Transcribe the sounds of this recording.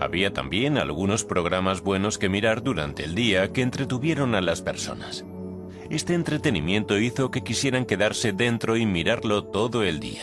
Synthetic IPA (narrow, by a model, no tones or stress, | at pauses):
a̰βiat̪a̰mbje̞na̰lɣuno̞spɾo̞ɣ̞ɾamazβwe̞no̞ske̞miɾaɾd̪uɾa̰nt̪e̞̰ːld̪iake̞ːnt̪ɾe̞t̪uβje̞ɾo̞nalaspe̞̰ɾso̞̰nas | e̞st̪e̞ːnt̪ɾe̞t̪e̞nḭmjẽ̞nt̪o̞iθo̞ke̞kisje̞ɾaŋke̞ðaɾse̞ðe̞nt̪ɾo̞imiɾaɾlo̞t̪o̞ðo̞e̞ld̪ḭa